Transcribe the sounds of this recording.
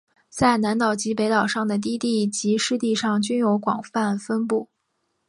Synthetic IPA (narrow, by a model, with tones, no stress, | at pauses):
t͡sa˥˩ɪna˧˥nt̪ɑ˨˩ʊt͡ɕi˧˥pe˧˥ɪt̪ɑ˨˩ʊʂɑ˥˩ŋd̪ə˩t̪̬i˥˧t̪i˥˩t͡ɕi˧˥ʂɻ̩˥˧t̪i˥˧ʂɑ˥˩ŋt͡ɕy˥njo˧˥ʊkwɑ̰˨˩ŋfa˥˩nfə˥npu˥˩